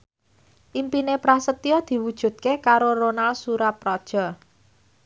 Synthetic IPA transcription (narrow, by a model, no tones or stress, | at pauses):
ʔimpinepɾahsət̪iɔd̪̥i̤wud̥ʒ̥ṳt̪̚kekaɾoɾonalsuɾapːɾɔd̥ʒ̥ɔ